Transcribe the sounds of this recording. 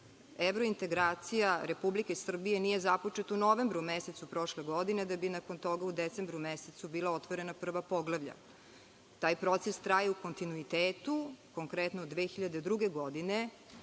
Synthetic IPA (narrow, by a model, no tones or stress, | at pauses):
eʋɾoint̪e̞ɡɾaːt̪sijaɾe̞publikesr̩bije̞nije̞zapot͡ʃet̪unoʋe̞mbɾumeset̪supɾo̞ʃleɡod̪ined̪abinako̞nt̪o̞ɡaud̪et̪sembɾumeset̪subiːlˠao̞t̪ʋoɾe̞napr̩ʋapo̞ɡlˠaʋʎa̰ | t̪aːjpɾo̞t̪sest̪ɾajauko̞nt̪inuit̪eːt̪ukoŋkɾet̪noːd̪ʋeːxiʎad̪ed̪ɾuɡe̞ɡod̪ine